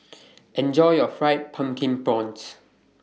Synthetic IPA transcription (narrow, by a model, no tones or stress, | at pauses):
ʔɛ̃nd͡ʒɔjjɔfɹaɪt̚pʰãmkʰɪ̃ŋpɔ̃nt